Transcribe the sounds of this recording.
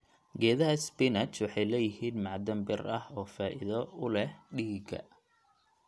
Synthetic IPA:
ɡɛːðɐɦɐspɪnɐt͡ʃwɑħɑjlɛːjɪhiːnmɑʕd̪ɐmbɪrɐhɔːfaːʔɪ̰ðɐʊlɛhɖiːɡɐ̰

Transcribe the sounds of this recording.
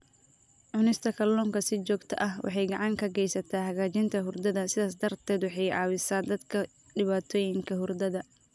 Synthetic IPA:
ʕʊnɪst̪ʰɐkʰɐlɔːŋkʰɐsɪt͡ʃɔːɡt̪ʰɐ̰ʔɐɦwʔɑ̰ħɑjɡɑʕɑŋkʰɐɡɛjsɐt̪ʰaːɦɐɣaːt͡ʃɪnt̪ʰɐɦʊrd̪ɐðɐsɪðaːs̬d̪ɐrt̪ʰɛːd̪wɑħɑjʕɑ̰ːwɪsaːd̪ɐd̪kʰɐ | ɖɪβaːt̪ʰɔːjɪŋkʰɐɦʊrd̪ɐðɐ

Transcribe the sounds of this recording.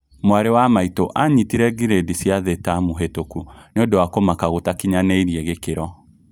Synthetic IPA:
mwaɾewamaitoʔaɲitiɾɛɡiɾedisjaðetamuɦetokuneondowakomakaɣotakiɲaneiɾiɛɣekeɾɔ

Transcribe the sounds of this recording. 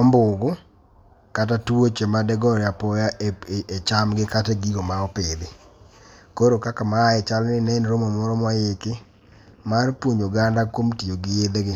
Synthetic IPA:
ombʊɡʊ | kat̬atuwot͡ʃemadɛɡɔɾjapɔjaet͡ʃamɡɪkateɡiɡomaɔpɪd̪ɪ | koɾokakamaːɛt͡ʃalnɪnɛnɾomomɔɾɔmajekɪ | marpwoɲoɡandakwomtioɡɪjed̪ɡɪ

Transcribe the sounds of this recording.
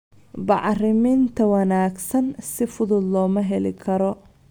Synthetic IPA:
bɑʕrɪmint̪ʰɐwɑnaːɡsɐnsɪfʊðʊd̪lɔːmɐɦɛlɪ̰kʰɐɾɔ

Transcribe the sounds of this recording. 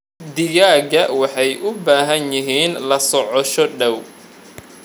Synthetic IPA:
d̪ɪɣaːɣɐwɑħɑjʔʊbaːɦɐnjɪɦiːnlɐsɔʕɔʃɔɖɐw

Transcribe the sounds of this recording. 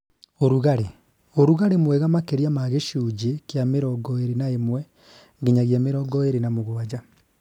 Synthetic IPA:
oɾuɣaɾe | oɾuɣaɾemwɛɣamakeɾiamaɣeʃuːd͡ʑekjameɾɔɡɔeɾenaemwɛ | ŋɡeɲaɣjameɾɔɡɔeɾenamoɣoad͡ʑa

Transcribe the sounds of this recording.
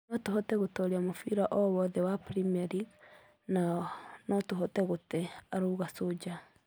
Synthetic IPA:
nɔtoɦɔtɛɣotoɾiamofiɾaʔɔwɔðɛwapɾimiaɾiɡ | nanɔtuɦotɛɣoteaɾuɣasod͡ʒa

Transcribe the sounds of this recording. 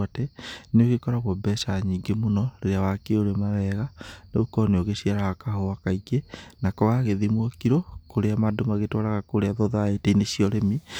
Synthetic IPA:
atɛneoɣekɔɾaɣwɔbɛsaɲiːŋɡemonɔɾeɾeawakeoɾemaɾɛɣaneokɔneoɣeɕiaɾawakaɦoakaiɡenakɔɣaɣeðimwɔkiɾokoɾeamadomaɣetwaɾaɣakoɾeaðɔðoaeteineɕiɔɾemi

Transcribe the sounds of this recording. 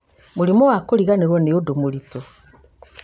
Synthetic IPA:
mulimowakoliɣaniɾwaneodomulito

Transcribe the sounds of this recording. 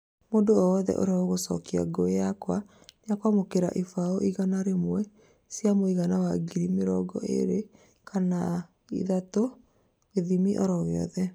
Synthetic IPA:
moːndoɔɔðɛ̰ʔo̰ɾeaoɣosɔkia̰ɡoejakwa | nejakwamokeɾa̰ʔifaoʔiɣanaɾemwɛ | sjamoiɣanawaɡiɾimeɾɔɡɔ̰ʔḛɾe | kʰana | ḭðato | eðimiʔɔ̰ɾɔɣeɔ̰ðɛ

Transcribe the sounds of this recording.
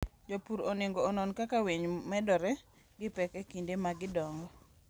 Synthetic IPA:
d͡ʒopuɾonɪŋɡɔːnɔnkakaweɲmɛdɔɾɛ | ɡɪpɛkɛkindemaɡɪdɔŋɡɔ

